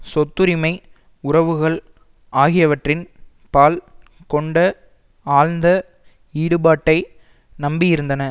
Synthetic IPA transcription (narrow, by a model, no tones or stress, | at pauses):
sɔt̪ːɯɾɪmɐɪ | ʊrɐʋɯɣɐɭ | aːɣɪjɐʋɐʈrɪn | paːlkɔɳɖɐ | aːɻnd̪ɐ | iːɽɯbaːʈːɐɪ | nɐmbɪjɪɾɯnd̪ɐnɐ